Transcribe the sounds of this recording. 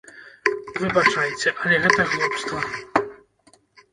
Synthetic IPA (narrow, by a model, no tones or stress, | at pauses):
vɨbat͡ʂajɛt͡sʲɛʔɐlʲɛɣɛt̪ɐɣlˠɔpst̪ɐnɐ